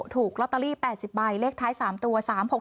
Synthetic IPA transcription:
t̪ʰuː˨˩k̚lɔ˦˥t̪ːa˧liː˥˩pɛː˨˩t̪̚si˨˩p̚ba˧jleː˦˥˩k̚t̪ʰaː˦˥jsaː˩˦mt̪u˧ɐsaː˩˦mho˨˩

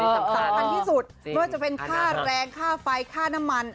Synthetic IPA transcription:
a˨˩sa˨˦a˧˩nt̪ʰiː˥˩su˨˩t̪̚mɯː˥˩ɐt͡ɕa˨˩pe˧nkʰaː˥˩ɾɛː˧ŋkʰaː˥˩fa˧jkʰaː˥˩na˦˥mːa˧n

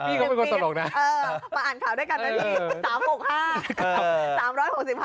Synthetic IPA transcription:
iː˧kɔ˨˦˩m˧kːsa˧lo˨˩k̚na˨˦ʔəː˧maː˨˩ʔaː˨˩nkʰaː˧˩wɗaː˨˧˥jka˧˩naː˨˧˩t̪ʰi˨˩saː˨˦mmo˨˩haː˧˩kːsaː˨˦mɾɔː˨˦˥jho˨˩k̚si˨˩ph

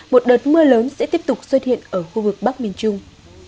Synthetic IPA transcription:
mo˨˩t̚ɗəː˨˩t̚mɨ˧ələː˨˦nsɛ̰˧˥t̪i˦˥əp̚t̪ʊ˨˩k͡p̚swə˦t̚hḭ˧˨ənʔəː˧˩xu˧vɨ˨˩k̚ɓa˦˥k̚mi˧˩ənt͡ɕʊ˧ŋ͡m

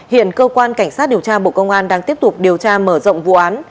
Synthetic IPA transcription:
hḭ˧˨ənkəː˧kwaː˧nka˧˩ŋsaː˦˥t̚ɗi˨˩əwt͡ɕaː˧ɓo̰˧˨kə˧wŋ͡mʔaː˧nɗaː˧ŋt̪i˦˥əp̚t̪ʊ˨˩k͡p̚ɗi˨˩əwt͡ɕaː˧məː˧˩zə̰˧˨wŋ͡mvṵ˧˨ʔaː˨˦n

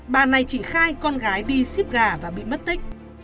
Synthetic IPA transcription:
ɓaː˨˩na˨˩jt͡ɕi˧˩xaː˧jkɔ˧nɣaː˨˦jɗi˧si˦˥p̚ɣaː˨˩vaː˨˩ɓḭ˧˨mə˦˥t̚t̪ï˦˥k̟̚

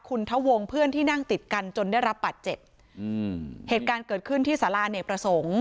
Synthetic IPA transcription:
kʰu˧nt̪ʰa˦˥wo˧ŋpʰɯ˥˩ənt̪iː˥˩na˥˩ŋt̪i˨˩t̪̚ka˧nt͡ɕo˧ndaː˥˩jɾa˦˥p̚bːaː˨˩t̪̚t͡ɕe˨˩p̚ | heː˨˩t̪̚kaː˧nkɤː˨˩t̪̚kʰɯ˥˩nt̪ʰiː˥˩saː˩˦laː˧neː˨˩pɾa˧so˩˦ŋ

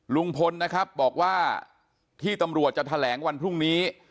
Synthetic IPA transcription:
lu˧ŋpʰo˧nːa˦˥kʰɾa˦˥p̚bɔː˨˩k̚waː˥˩ | t̪ʰiː˥˩t̪a˧mɾu˨˩ət̪̚t͡ɕa˨˩t̪ʰa˧lɛː˩˦ŋwa˧npʰɾu˥˩ŋniː˦˥

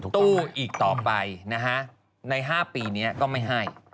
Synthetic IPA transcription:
t̪uː˥˩ʔiː˨˩k̚t̪ɔː˨˩pa˧jna˦˥kʰa˦˥ʔ | na˧jɦaː˥˩piː˧ni˦˥ɐkɔː˥˩ma˥˩jɦa˥˩j

